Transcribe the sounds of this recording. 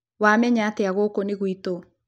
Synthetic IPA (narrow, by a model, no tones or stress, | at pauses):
wamɛɲaːteaɣokoniɣwito